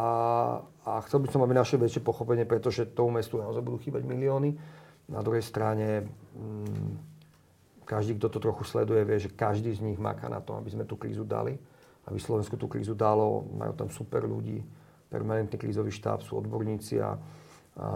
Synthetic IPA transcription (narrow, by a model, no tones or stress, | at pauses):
a | axt͡sɛlbisɔmabinaʃɛʋɛt͡ʃɛpɔxɔpɛɲɪɛpɾɛt̪ɔʒɛt̪ɔmumɛst̪unaɔzajbud̪uːxiːbaɟmiliɔːni | nad̪ɾuɦɛjst̪ɾaɲɛ | kaʒd̪iːk̚t̪ɔt̪ɔt̪ɾɔxuslɛ̰d̪ujɛʋɪɛʒɛkaʒd̪iːzɲiɣma̰kaːna̰t̪ɔa̰bizmɛt̪uːkɾiːzud̪a̰li | ʔabislɔʋɛnskut̪uːkɾḭːzud̪alɔ̰ma̰jṵt̪amsupɛɾʎṵɟḭː | pɛ̰ɾmanɛnt̪niːkɾiːzɔʋiːʃt̪a̰ːpsuːɔ̰d̪bɔɾɲiːt͡sḭa̰